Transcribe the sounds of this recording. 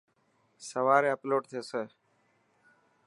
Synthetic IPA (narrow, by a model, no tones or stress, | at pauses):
səʋaːɾeːəploːʈt̪ʰeːseː